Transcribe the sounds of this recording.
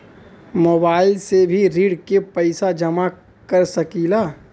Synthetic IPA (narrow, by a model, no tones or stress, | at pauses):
moːbaːɪlsebʱiɾiːɽkepəɪsad͡ʒɐma | kəɾsɐkilaː